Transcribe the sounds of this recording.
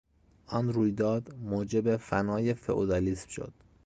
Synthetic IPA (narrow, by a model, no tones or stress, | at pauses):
ʔɒnɾuːjd̪ɒːd̪moːd͡ʒebefænɒːjefḛʔod̪ɒlismʃo̰d̪̥